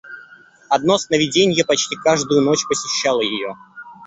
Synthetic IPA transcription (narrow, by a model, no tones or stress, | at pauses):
ɐd̪̚no̞snəvʲɪdʲenʲɪjəpɐt͡ɕtʲikaʐd̪ʊjʊno̞t͡ɕpəsʲɪɕːalˠəjɪjo